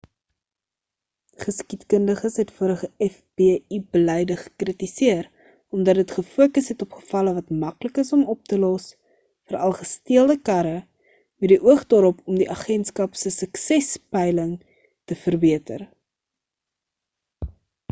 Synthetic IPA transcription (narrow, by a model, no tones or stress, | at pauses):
χəskitkəndəχəsɦɛtfuəɾəχəɛfbibəlɛjdəχə̥kritisiəɾ | ɔmdɐt̚dətχəfuəkəsɦɛtɔpχə̥fɐləvɐtmɐkləkəsɔmɔp̚təlɔs | fəɾɐlˠχəstiəlˠdəkɐɾə | mɛdiʔuəχdɑːɾɔpɔmdiʔɑχɛntskɐpsəsəksɛspɛjləŋ | təfərbiətə̰r